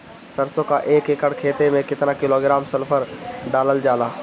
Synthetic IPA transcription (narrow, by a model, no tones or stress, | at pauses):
sɐɾsõkaʔeːkekəɽkʰeːt̪emẽkɪt̪nakɪloːɡɾaːmsɐlpʰəɾɖaːləld͡ʒaːlaː